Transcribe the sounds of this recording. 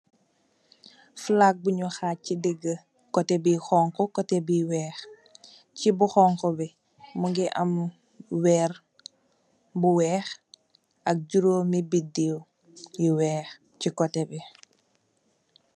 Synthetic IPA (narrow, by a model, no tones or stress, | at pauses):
flak̚buɲɔxaːcidiɡːə | kɔtɛbixɔːŋkɔkɔtɛbiwɛːx | cibuxɔŋkɔbi | muŋɡiʔɐm | wɛːr | buwɛːx | ɐk̚ɟuɾoːmibidiw | jiwɛːx | cikɔtɛbi